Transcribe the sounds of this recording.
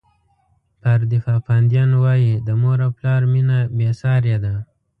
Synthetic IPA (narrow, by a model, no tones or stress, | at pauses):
paɾd̪ifɑːpand̪jɑnwɑjid̪əmoɾaplɑɾminabesɑɾjad̪a